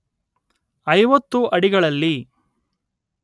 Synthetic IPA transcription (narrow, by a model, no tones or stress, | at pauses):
ɐjʋɐt̪ːuʔɐɽiɡɐɭɐlːi